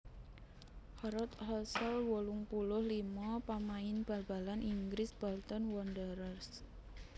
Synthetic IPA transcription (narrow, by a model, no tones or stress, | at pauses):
hɔɾɔt̪hɔsɔlwoluŋpulʊhlimɔpamaɪnb̥a̤lb̥a̤lanʔiŋɡɾɪsb̥ɔlt̪ɔnwɔndəɾərs